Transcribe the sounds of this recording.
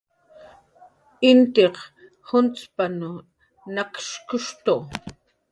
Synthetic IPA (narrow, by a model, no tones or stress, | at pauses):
ɪnt̪eq | hʊnt͡spanʊ | nakʃkʊʂt̪o